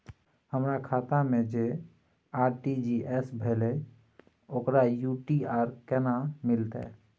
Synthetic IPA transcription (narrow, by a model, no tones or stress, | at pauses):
həmɾakʰaːt̪amẽd͡ʒe | aːɾʈid͡ʒiʔɛsbʱele | oːkɾajuʈiaːɾkɛnamɪlt̪ɛ̰